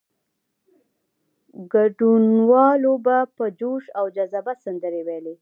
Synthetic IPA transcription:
ɡaɖunwɑlobapəd͡ʒoʃawd͡ʒazabasand̪əɾewele

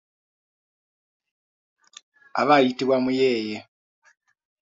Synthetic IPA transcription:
a̰βajitiβwamujeːje

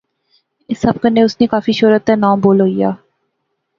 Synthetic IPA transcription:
ɪsːɐb̚kəneʊsnekaːfiʃʊːɾət̪ːɛnãːmboːlɦoːija̰ː

